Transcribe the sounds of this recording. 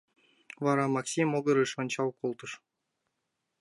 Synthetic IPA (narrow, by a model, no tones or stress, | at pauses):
vɑɾɑmɑksʲimoɡɤɾɨʃonʲt͡ɕɑwkolˠt̪ɤʃ